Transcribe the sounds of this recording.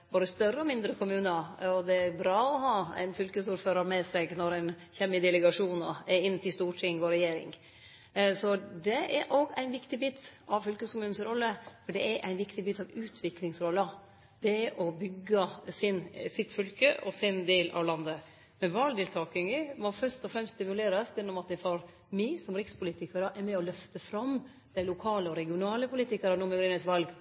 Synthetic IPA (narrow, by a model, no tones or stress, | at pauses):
boːd̪əst̪œrːəɔmɪnd̪ɾəkʰʊmʉːnəɔd̪ɛæɾbɾɑːɔɦɑːæ̰ɪnfʏlkəsuːɾføːɾɑɾmɛsɛɡnɔɾɛn | çɛmːɪd̪ɛləɡɑʂuːnɔɛɾɪnːət̪ɪlst̪uːʈʰɪŋːʋoːɾɛjeːɾɪ̰ŋ | sɔd̪ɛæɾʔoɡæɪnʋɪkt̪ɪbɪt̪ːɑʋfʏlkəskʊmʉːn̩sɾɔlːəfɔɖɛʔæɾʔæ̰ɪnʋɪkt̪ɪbɪt̪ːɑʋʉːt̪ʰʋɪklɪŋsɾɔlːɑ | d̪̥ɛɛʔɔbʏɡːɑsɪnsɪt̪fʏlkəʔɔsɪnd̪eːlʔɑ̰ʋlɑnd̪ə | mɛʋɑld̪ɪlt̪ʰɑːkɪŋəmɔfœɾst̪ɔfɾɛmstːt̪ɪmʉleːɾɑsɛnːɔmɑt̪̚ɛfɑɾ | mɪsɔmɾɪkspʊliːt̪ɪkɑɾəʔɛɾmɛɔlœft̪əfɾɑm | d̪̥æɪlʊkʰɑːləɔɾɛɡɪʊnɑːləpʊliːt̪ɪkɑɾənuːmɛɡɾʏnət̪ʋɑlɡ